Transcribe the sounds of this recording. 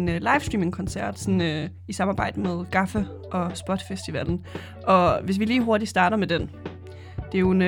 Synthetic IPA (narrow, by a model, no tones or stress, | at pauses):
nlɑ̈ɪfsd̥ʁiːme̝ŋkʰɒ̽nsæɐ̰d̥sɒnø | isɑ̈mɑ̈ːb̥ɑ̈ɪ̰d̥əmeð̞ˠɡ̥ɑ̈fə | ʔɒ̽sb̥ɒ̽d̥fesd̥iʋæln̩ | ʔɒ̽ʋe̝s̬ʋiliːɦo̝ɐd̥isd̥ɑ̈ːɾɐmed̥en | d̥e̝æjoen